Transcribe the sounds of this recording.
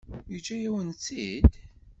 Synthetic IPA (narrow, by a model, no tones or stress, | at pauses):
jid͡ʒːæjæwənt͡sːid̪